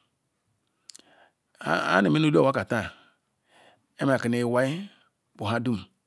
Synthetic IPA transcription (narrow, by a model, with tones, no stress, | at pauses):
a̰˦ni˨me˦no˦lu˦a˨a˦ka˨ta˦˨ | e˦m˦a˨ki˨ne˨wa˦i˦ | bu˨ɦa˦du˦m˨